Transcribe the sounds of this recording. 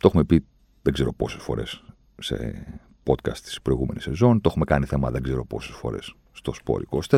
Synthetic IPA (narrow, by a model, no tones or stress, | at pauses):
t̪oexume̞pi | ðeɡze̞ɾo̞po̞se̞sfo̞ɾe̞̰sː | e̞̰ | po̞t̪kɐst̪i̥spɾo̞iɣume̞nise̞zo̞nt̪oexume̞kɐniθe̞mɐðe̞ɡze̞ɾo̞po̞̰se̞sfo̞̰ɾe̞̰sːt̪o̞spo̞̰ɾiko̞st̪e